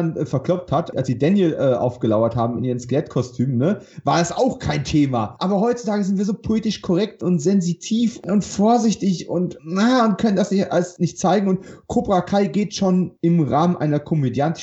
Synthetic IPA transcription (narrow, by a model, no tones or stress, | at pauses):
nfɛɐkl̥ɔp͡fthatʔalsiːdɛnjəlʔɛːʔa̰ʊfɡ̥əlaʊɐthaːbm̩ɪnʔiːʁ̞ənskəlɛtkʰɔstʰyːmənnəvaːɐdasaʊxkʰaɪntʰeːmaʔaːbɐɦɔʏtt͡su̥tʰaːɡəzɪntv̥iːɐzoːpʰoleːtɪʃkʰɔʁɛk̚tʊntz̥ɛnzitʰiːfʊntfoːɐzɪçtɪçʊ̰ntnaʊnt̚kʰœnəndasnɪçtʔa̰lsnɪçtt͡saɪɡŋ̩ʊntkʰoːpʁakʰaɪɡeːtʃoːnɪmʁaːmənʔa̰ɪnɐkʰɔmedjant